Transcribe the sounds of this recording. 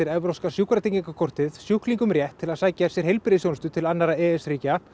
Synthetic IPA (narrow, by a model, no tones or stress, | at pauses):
ɪɾɛvɾowskasjukɾat̪eɲciŋkakʰɔr̥t̪ɪðsjuhkliŋkʏmrjɛht̪ʰːɪlaðsaːjcasjɛɾ̥ɦejlpɪɾɪsjownst̪ʏt̪ʰɪlanːaɾaɛːɛsriːca